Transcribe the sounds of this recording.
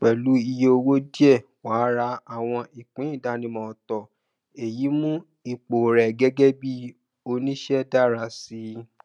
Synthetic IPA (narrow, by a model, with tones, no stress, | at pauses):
k͡pɛ˨lu˨˦i˧je˦o˧wo˦di˦ɛ˦˨ | waː˨˦ɾa˧a˨w̃ɔ̃˧i˨k͡pĩ˨˦ĩ˦˨da˨˦nĩ˨mɔ̃˨tɔ˨ | e˨ji˨˦mũ˦ | i˨k͡po˨ɾɛ˨ɡɛ˦ɡɛ˦bi˦ | o˧nĩ˦ʃɛ˦da˦ɾa˧si˦